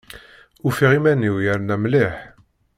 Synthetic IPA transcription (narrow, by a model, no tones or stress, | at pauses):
ufiʁimænːiwjəɾnæmliħ